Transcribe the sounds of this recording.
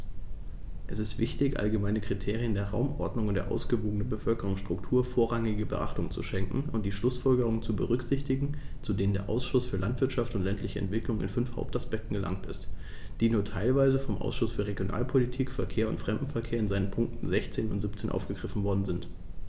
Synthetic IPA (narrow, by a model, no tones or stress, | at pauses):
ʔɛsɪstv̥ɪçtɪçʔa̰lɡəmaɪnəkʁ̥itʰeːʁiəndeːɐʁa̰ʊmʔɔɐdnʊŋʊntd̥eːɐʔa̰ʊsɡ̥əvoːɡənənbəfœlkəʁʊŋstʁ̥ʊktʰuːɐfoːɐʁaŋɪɡəbəʔa̰χtʊŋt͡sṵʃɛŋkŋ̩ʊnt̚d̥iːʃlʊsfɔlɡəʁ̞ʊŋənt͡subəʁ̞ʏkz̥ɪçtɪɡŋ̩t͡sudeːnəndeːɐʔa̰ʊsʃʊsfyːɐlʔantv̥ɪɐtʃaftʊntlɛntʰlɪçəɛ̰ntv̥ɪklʊŋɪ̰nfʏnfha̰ʊp̚taspɛk̚tn̩ɡəla̰ŋtɪ̰st | d̥iːnuːɐtʰaɪlvaɪzəfɔmʔa̰ʊsʃʊsfyːɐʁeɡjonʔa̰ːlpʰolitʰiːkfɛɐkʰeːɐʊ̰ntfʁ̥ɛmdm̩fɛɐkʰeːɐɪnzaɪnənpʰʊŋk̚tn̩zɛçt͡seːnʊntz̥ip̚t͡seːnʔa̰ʊfɡ̥əɡʁɪfn̩vɔɐdn̩zɪnt